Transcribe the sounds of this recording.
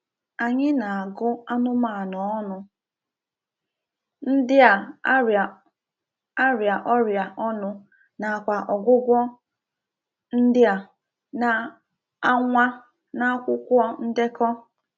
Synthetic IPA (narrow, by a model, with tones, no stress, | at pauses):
a˨ɲɪ˦na˨a˨ɡʊ˦a˦nʊ˦ma˨a˨nɔ˨ɔ˦nʊ˦ | n̩˦dɪ˦a˨˦ɾa˨ | a˦ɾja˨ʔɔ˦ɾja˨ʔɔ˦nʊ˦ | na˨kʷa˨ʔɔ˨ɡʷʊ˦ɡʷɔ˦ | n̩˦dɪ˦a˨ | na˨ | a˦ŋʷa˦ | na˦kʷʊ˦kʷɔ˦n̩˦dɪ˦kɔ˦